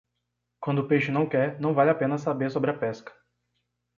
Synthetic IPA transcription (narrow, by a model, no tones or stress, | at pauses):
kwɐ̃nd̪ʊpejʃʊnɐ̃w̃kɛɾnɐ̃w̃valʲapẽnɐs̬abeɾsobɾɪɐpɛskɐ̥